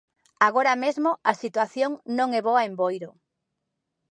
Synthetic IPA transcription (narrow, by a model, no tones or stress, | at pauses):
aɣoɾamezmoasit̪waθjoŋnõŋɛβoaembojɾʊ